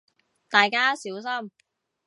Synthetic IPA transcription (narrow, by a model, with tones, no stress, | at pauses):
t̪aː˨jkaː˥siː˨˥ws̬ɐ˥m